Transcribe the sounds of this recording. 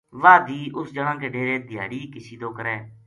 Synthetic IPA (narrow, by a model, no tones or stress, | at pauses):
ʋaːd̪iːʔʊsd͡ʒəɽãːkeːɖeːɾeːd̪ʱɪja̰ːɽiːkɪʃiːd̪oːkəɾɛː